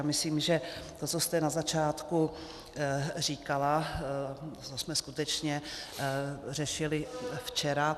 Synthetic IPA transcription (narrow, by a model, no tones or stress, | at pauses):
amɪsliːmʒɛt̪ot͡sost̪ɛnazat͡ʃaːt̪ku | riːkala | t͡sosmɛskut̪ɛt͡ʃɲɛ | r̝ɛʃɪlɪft͡ʃɛɾa